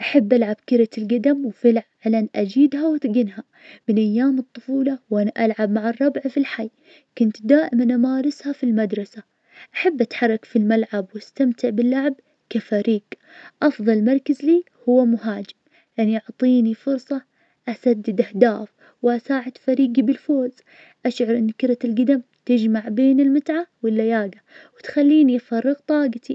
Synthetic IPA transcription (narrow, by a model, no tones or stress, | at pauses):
ʔaħabːʔalʕab̥kɪɾalɡad̪amwfɪlʕʕlanʔad͡ʒiːd̪hawɪt̪ɡɪnɦa | mɪnʔajːaːmɨt̪ˤːʊfuːlɑwʔanaʔalʕab̚maʕɨrˤːɑbʕfilħajː | kʊnt̪d̪aːʔɪmanʔamaːɾɪshafilmad̪ɾˤɑsa | ʔaħabːʔat̪ħɑrˤːɑkfilmalʕabwast̪amt̪ɪʕbɪlːaʕb̚ | kafaɾiːɡ | ʔɑfðˤɑlmɑɾˤkazliː | hʊwːamʊɦaːd͡ʒɪm | ʔanːiʔʊʕt̪ˤiːnifʊɾsˤɑ | ʔasad̪ːɪd̪ʔahd̪aːf | wʔasaːʕɪd̪̥faɾiːɡibɪlfoːz̥ | ʔaʃʕʊɾˤʔɪnːkɪɾalɡad̪am | t̪ɪd͡ʒmaʕbeːnɪlmɪt̪ʕawɪlːajaːɡawɪt̪xalːiːniʔafɑrˤːɨɣt̪ˤɑːɡɑt̪i